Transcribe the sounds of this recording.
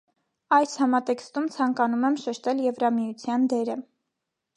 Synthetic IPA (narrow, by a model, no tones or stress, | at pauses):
ɑjshɑmɑt̪ɛkst̪umt͡sʰɑŋkɑnumɛmʃɛʃt̪ɛljɛvɾɑmijut͡sʰjɑnd̪ɛɾə